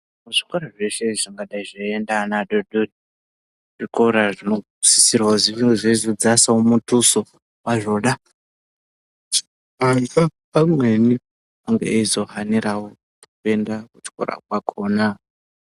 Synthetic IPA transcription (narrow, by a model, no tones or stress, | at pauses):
muʐikoɾaʐe̞ʃeʐiŋɡaɗaiʐoendanaɗoɗori | ʐikoɾaʐino | sisirwaoziʐeizod͡zasaomutuso | waʐo̞ɗa | t͡ʃi | aŋɡapamweni | aŋɡḛizo̞ɦaniɾawo | tokue̞ndakut͡ʃko̰ɾa̰kwakʰona